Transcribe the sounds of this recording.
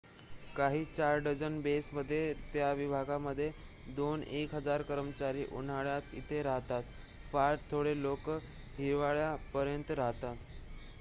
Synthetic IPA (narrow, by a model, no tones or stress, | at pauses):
kaɦiːt͡ɕaɾɖəd͡zənbesməd̪ʱːjet̪jaʋibʱaɡaməd̪ʱːje | d̪onekɦəd͡zaɾkəɾəmət͡ɕaɾiːʔun̤aɭjat̪it̪ʰeɾaɦt̪at̪ | faɾʈt̪ʰoɽelok | ɦiɾʋaɭjapəɾjənt̪ɾaɦt̪at̪